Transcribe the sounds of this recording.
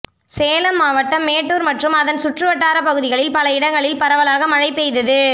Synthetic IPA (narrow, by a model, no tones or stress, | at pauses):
seːlɐmːaːʋɐʈːɐmːeːʈːuːɾmɐʈrɯmɐðɐnsʊʈrɯʋɐʈːaːɾɐpɐɣɯðɪɣɐɭɪlpɐlɐɪɽɐŋɡɐɭɪlpɐɾɐʋɐlaːɣɐmɐɻɐɪpːɛjðɐðɯ